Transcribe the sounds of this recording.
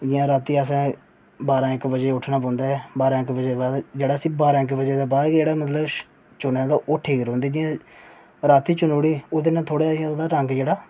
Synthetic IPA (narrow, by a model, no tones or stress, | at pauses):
d͡ʒɪjãːɾaːt̪iːəsãː | baːɾãːɪkbəd͡ʒeːʊʈʰnaːp̬ɔ̃ːnd̪aːɦɛːbaːɾãːɪkbəd͡ʒeːbaːd̪d͡ʒeːɽaːsĩːbaːɾãːɪkbəd͡ʒeːd̪aːbaːd̪d͡ʒeːɽaːmət̪ʰləb | t͡ʃʊneːd̪oːʔoːʈʰeːɡəɾɦõːnd̪eːd͡ʒɪjãː | ɾaːt̪iːt͡ʃʊnoːɽiːoːd̪eːnãːt̪ʰoːɽeːd͡ʒɪãoːd̪aːɾəŋɡd͡ʒeːɽaː